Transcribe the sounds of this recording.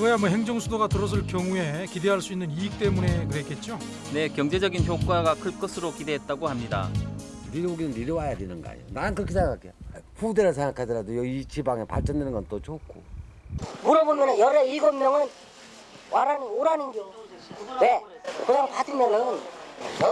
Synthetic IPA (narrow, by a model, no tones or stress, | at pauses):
kɯɾʌjamwʌɦe̞ŋd͡ʑʌŋsʰudoɡatɯɾʌs̬ʰɯɭkjʌŋue̞kide̞ɦaɭs͈uinːɯniik̚t͈e̞mune̞kɯɾe̞k͈e̞t̚t͡ɕ͈o | ne̞kjʌŋd͡ʑe̞d͡ʑʌɡinçjok͈waɡakʰɯɭk͈ʌsʰɯɾokide̞ɦet̚t͈aɡohamɲida̰ | niɾoɡinɯnːiɾjʌwajadwenɯnɡʌ̰a̰j̰o̰nanɯnkɯʌkʰːisʰakak͈eopudeɾɯɭs̬ʰeŋakʰadiɾadojʌit͡ɕʰibaŋepa̰ɭt͡ɕ͈ʌndwenɯnŋɡʌnt͈ot͡ɕokʰo̰ | muɾʌbomjʌnɯnjʌɾeiɡʌmːjʌŋɯn | wʔaɾanioɾaninɡio | wekɯɲaŋpadinːenɯn